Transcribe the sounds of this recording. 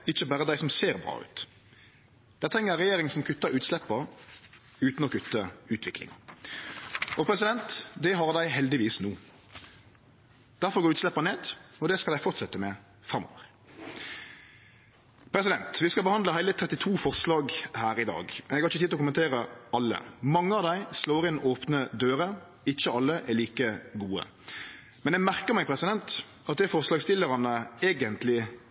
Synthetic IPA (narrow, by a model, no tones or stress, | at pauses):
ɪçːəbæːɾəd̪æɪsɔmseːɾbɾɑ̰ːʉ̰ːt̪ | d̪̥æɪt̪ʰɾɛŋːəʁɛjeːɾɪŋsɔmkʰʉt̪ːəɾʉːt̪slɛpːə | ʉːt̪n̩ɔkʰʉt̪ːəʉːt̪ʰʋɪklɪ̰ŋ | ɔpʰɾɛsɪd̪ɛnt̪d̪ɛɦɑɾd̪æɪɦɛld̪ɪʋiːsnuː | d̪̥æɾfɔɾɡoːɾʉːt̪slɛpːəneːd̪ɔd̪ɛskɑld̪æɪfɔʁt̪sɛt̪ːəmɛ | fɾɑmːɔ̰ːʋəʁ | pʰɾɛsɪd̪ɛnt̪ʋɪskɑbəhɑnd̪ləhæɪlət̪ʰɾɛt̪ːɪt̪ʰuːfɔʁslɑːɡhæːɾɪd̪ɑ̰ːɡ̪ɛɡhɑɾɪçət̪iːd̪ɔkʊmənt̪ʰeːɾəɑlːə̰mɑŋːəɑʋd̪æɪsloːɾʁɪnʔoːpnəd̪øːɾə | ɪçːəɑlːəʔɛliːkəɡuːə̰ | mɛnɛmæʁkəmɛɪpʰɾɛsɪd̪ɛnt̪ | ɑt̪̚d̪ɛfɔʁslɑːɡst̪ɪlːəʁɑnəeːɡənt̪lɪ